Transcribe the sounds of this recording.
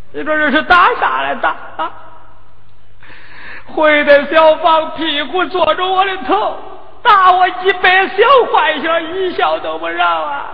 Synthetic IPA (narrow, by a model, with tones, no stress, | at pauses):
ni˨˧˩ʂwɔ˧˥ʈ͡ʂə˧˩ʂɻ̩˥˧t̪a˥˩ɕa̰˨˩la̰˧˥ɪt̪a˧˩˧ | xwe˥˩ɪd̪ə˨˧˩ɕjɑ˥ʊfɑ˥ŋpʰi˨˩ku˥t͡swɔ˨˩ʈ͡ʂu˥˩wɔ˧˥˦li˨˩t̪ʰo˥˩ʊ | t̪a˥˩wɔ˧˩i˧˥pe˧˥ɕjɑ˥ʊxwa˧˩nt͡ɕʰi˧lə˧i˥ɕjɑ˥˧˩ʊt̪o˧˥ʊpu˧ɻɑ˥˩ʊɐ˧˩